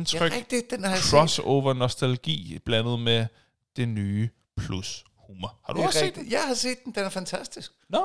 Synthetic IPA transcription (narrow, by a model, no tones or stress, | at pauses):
nt͡sʰœɡʁɛɡ̥̚d̥i̥d̥enɐkʰʁɒso̰ʊʋɐnosd̥ælɡ̥ḭːb̥lænəð̞̩ˠme | d̥e̝nyː | pʰlus | huːmɐhɑ̈d̥uḛːdijɑ̈ɪhɑ̈se̝̰ːd̥̚ːn̩d̥enæɐfænt͡sʰæsd̥isɡ̥nɔ